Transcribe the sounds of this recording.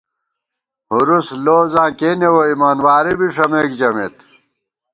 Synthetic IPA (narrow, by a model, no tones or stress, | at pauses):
huɾusloːzãːkeːnewoimaːnwaːɾibiʂɐmeːkd͡ʑɐmet̪